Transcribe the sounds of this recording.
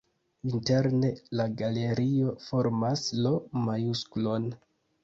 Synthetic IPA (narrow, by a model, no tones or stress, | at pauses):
inte̞ɾne̞laɡale̞ɾio̞fo̞ɾmaslomajusklo̞n